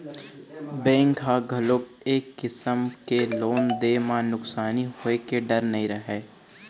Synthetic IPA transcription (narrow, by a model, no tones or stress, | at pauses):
bẽːŋkɦaɡʱɐlob̚ | eːkːɪsəmkeloːnd̪eːmãnʊksaːniɦoekeɖɐɾnɐɦĩɾəɦeː